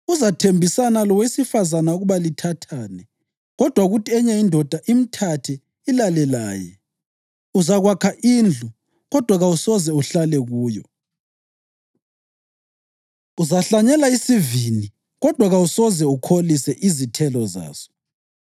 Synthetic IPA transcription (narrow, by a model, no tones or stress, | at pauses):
uzatʰembʱisanalɔwesifazanauɣuβalitʰatʰaːnɛ | ɣɔd̥ʱwaɣutʰʼɛɲɛindʱɔd̥ʱaʔim̩tʰatʰɛ | ilalɛla̰ːjɛ̰ | uzaɣwakʰaʔiːnd͡ɮʱu | ɣɔd̥ʱwaɣawusɔzɛuɬalɛɣuːjɔ̰ | uzaɬaɲɛlaisivini | ɣɔd̥ʱwaɣausɔzɛukʰolisɛʔizitʰɛlɔza̰ːz̥ɔ̥